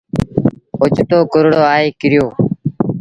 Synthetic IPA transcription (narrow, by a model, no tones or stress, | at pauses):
ʊt͡ʃt̪oːkʊɾɽoːaːeːkɪɾɪjoː